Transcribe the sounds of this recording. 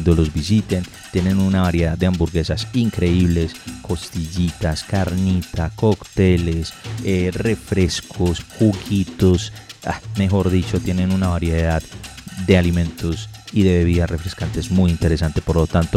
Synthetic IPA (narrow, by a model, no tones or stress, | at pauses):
nd̪olo̞zbisit̪en | t̪je̞ne̞nunaβaɾjeðad̪eambuɾɣe̞sasiŋkɾe̞iβle̞skʰo̞st̪iʝit̪askaɾnit̪ako̞kt̪e̞le̞sere̞fɾe̞skʰosxuɣit̪o̞sa̰me̞xo̞ɾðit͡ʃo̞t̪je̞ne̞nunaβaɾjeðaðd̪e̞alimẽ̞nt̪o̞s | iðe̞βe̞βiðasre̞fɾeskant̪ezmujint̪e̞ɾe̞s̬ant̪e̞poɾlo̞t̪ant̪o